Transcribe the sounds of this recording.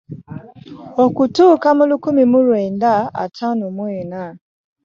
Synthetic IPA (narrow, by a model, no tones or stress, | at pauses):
okutukamʊlʊkumimʊɾwendaa̰tʰanumwɛna